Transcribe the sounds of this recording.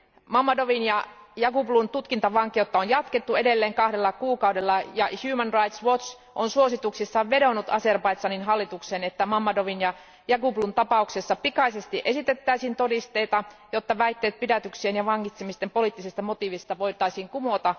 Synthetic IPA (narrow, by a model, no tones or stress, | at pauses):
mɑmːɑdoʋinjɑjɑkuplunt̪ut̪kint̪ɑʋɑŋkijot̪ːɑonjɑt̪ket̪ːue̞delːeːŋkɑhɾelːɑkuːkɑuwdelːɑjɑçjuːmənrɑit̪sʋot͡ʃ | ʔonsuosit̪uksisːɑʋʋe̞donut̪ɑserpɑit̪sɑninɦɑlːit̪uksenet̪ːæmɑmːɑdoʋinjɑ | jɑkuplunt̪ɑpɑuksesːɑpikɑisest̪iʔe̞sit̪et̪ːæisiːnt̪odist̪e̞it̪ɑjot̪ːɑʋæjt̪ːeːt̪̚pidæt̪yksienjɑʋɑŋkit̪semist̪empo̞liːˑt̪ːisest̪ɑmot̪iʋist̪ɑʋo̞ijt̪ɑisiːŋkumot̪ɑ